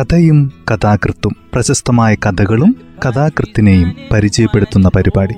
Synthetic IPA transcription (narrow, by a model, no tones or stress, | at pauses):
kɐd̪ɐjumkɐd̪aːkrɨt̪ːumprɐɕɐst̪ɐmaːjɐkɐd̪ʱɐɣɐɭum | kɐd̪aːkrɨt̪ːine̞jumpɐɾit͡ɕɐjɐpːe̞ɽut̪ːunːɐpɐɾibaːɽi